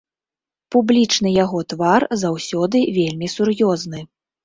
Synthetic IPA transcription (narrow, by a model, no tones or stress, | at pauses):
publʲit͡ʂnɨjaɣɔt̪varzawsʲɔd̪ɨvʲelʲmʲisurjɔznɨ